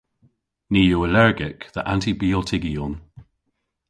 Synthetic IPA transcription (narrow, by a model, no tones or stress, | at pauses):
niːjoːəlɛɹɡɪkðəʔãntibiɔtʰɪɡiɔn